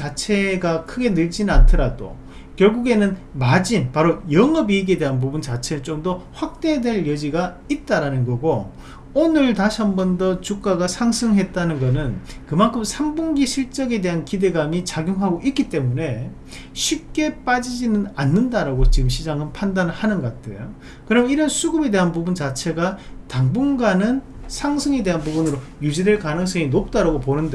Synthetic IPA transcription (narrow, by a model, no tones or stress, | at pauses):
t͡ɕat͡ɕʰe̞ɡakʰɯɡe̞nɯɭd͡ʑinantʰɯɾado̰ | kjʌɭɡuɡe̞nɯnmad͡ʑinpaɾojʌŋʌbiːɡe̞de̞ɦanp̬ubunt͡ɕat͡ɕʰe̞ɾɯɭt͡ɕomdʌɸwak̚t͈e̞dwe̞ɭjʌd͡ʑiɡa | it̚t͈aɾanɯnɡʌɡo | onɯɭtaɕʰʌmbʌndʌt͡ɕuk͈aɡasʰaŋsʰɯŋɦe̞t̚t͈anɯnɡʌnɯnkɯmankʰɯmsʰambuŋɡiɕʰiɭt͡ɕ͈ʌɡe̞de̞ɦankide̞ɡamit͡ɕaɡjuŋɦaɡoʔik͈it͈e̞mune̞ | ɕʰip̚k͈e̞p͈ad͡ʑid͡ʑinɯnanːɯndaɾaɡot͡ɕiɡɯmɕʰid͡ʑaŋɯnpʰandanɯɭhanɯnɡʌk͈atʰḛjo | kɯɾʌmiɾʌnsʰuɡɯbe̞de̞ɦanpubunt͡ɕat͡ɕʰe̞ɡataŋbuŋɡanɯn | sʰaŋsʰɯŋe̞de̞ɦanbubunɯɾojud͡ʑide̞ɭkanɯŋs̬͈ʌŋinok̚t͈aɾaɡoponɯnde